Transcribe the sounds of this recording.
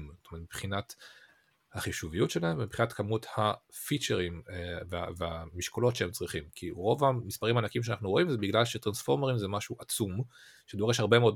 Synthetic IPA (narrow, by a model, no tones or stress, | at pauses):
mzotomeetmi̥pχinat | haχiʃuvijutʃelaemvmipχinatkamuthafit͡ʃeʁimvea̰veamiʃkolo̞tʃeemt͡sʁiχimkʰiʁo̞vamispaʁimaːnakimʃ̬eanaχnuʁo̞imzebiɡlalʃetʁansfo̞ʁmeʁimzemaʃuʔat͡sum | ʃedoʁeʃhaʁbe̞meo̞d